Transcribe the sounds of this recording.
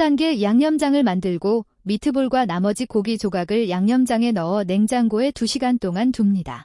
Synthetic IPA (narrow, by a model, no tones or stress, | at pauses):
anɡe̞jaŋɲʌmd͡ʑaŋɯɭmandɯɭɡo | mitʰɯbuɭɡwanamʌd͡ʑikoɡit͡ɕoɡaɡɯɭjaŋɲʌmd͡ʑaŋe̞nʌwʌne̞ŋd͡ʑaŋɡoe̞tuɕʰiɡant͈oŋantumɲida̰